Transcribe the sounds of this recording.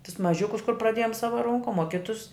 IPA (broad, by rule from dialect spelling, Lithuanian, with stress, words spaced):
tʊs mɐˈʒʲʊkʊs kʊr prɐˈdʲeːjoːm ˈsɑːʋɐ ˈroːŋkoːm oː ˈkʲɪtʊs